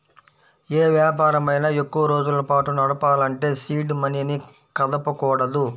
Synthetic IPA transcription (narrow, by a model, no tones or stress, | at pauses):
eːʋjaːpaːɾɐmɐjnɐekːuʋɐɾo̞ːd͡ʒulɐpaːʈunɐɽɐpaːlɐɳʈe̞ːsiːɖmɐnjɐni | kɐd̪ɐpɐkɔːɽɐd̪u